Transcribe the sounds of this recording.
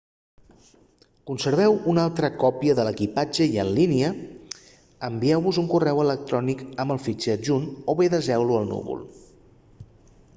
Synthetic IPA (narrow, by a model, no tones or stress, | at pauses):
kunsəɾβ̞ɛwunalˠt̪ɾəkɔpiəðələkipad͡ʒəiənliniə | əmbiɛwβuzuŋkurɛwələk̚t̪ɾɔnikəmbəlˠfit͡ʃɛʒunoβeðəzɛwluəlˠnṵβṵlˠ